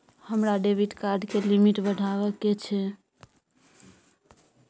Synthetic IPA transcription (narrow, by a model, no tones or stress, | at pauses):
həmɾaɖebʱiʈkaɾɖkelimiʈbəɽʱaβəkːet͡ʃʰɛ